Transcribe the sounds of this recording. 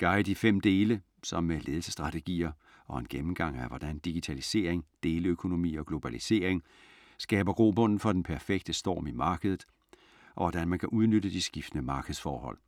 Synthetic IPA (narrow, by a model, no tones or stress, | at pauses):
ɡ̥ɑ̈ɪd̥ifem̰d̥e̝ːlə | sɒ̽mːele̝ːð̞ˠl̩sə̥sd̥ʁɑ̈t͡sʰe̝ɡ̥ḭːɐ | ɒ̽enɡ̥emm̩ɡ̥ɑ̈ŋ̰æɐʋɒd̥ænd̥iɡ̥it͡sʰælise̝̰ːɐ̰eŋd̥e̝ːləøkʰo̝no̝mḭːɒ̽ɡ̥lo̝b̥ælise̝ːɐ̰eŋ | sɡ̥ɛ̰ːb̥ɐɡ̥ʁo̝ːb̥ɔ̽n̰n̩fɒ̽d̥enpʰæɐfeɡ̥̚d̥əsd̥ɒ̰ːmimɑ̈ːɡ̥əð̞ˠð̩ˠ | ʔɒ̽ʋɒd̥ænmænkʰæʔuð̞ˠnød̥əd̥isɡ̥ifd̥ənəmɑ̈ːɡ̥ð̩ˠsfɒːhɒ̽l̰